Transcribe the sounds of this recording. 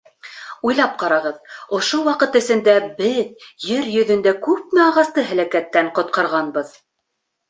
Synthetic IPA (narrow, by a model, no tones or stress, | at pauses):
ujlˠɑp̚qɑɾɑʁɤðŏʃowɑqɤt̪ɘ̆sɘ̆nd̪æbɘðjɘɾjɵ̆ðɵ̆nd̪ækʉp̚mɘɑʁɑst̪ɤɦæ̆lækæt̪ːæɴqŏt̪̚qɑɾʁɑnbɤð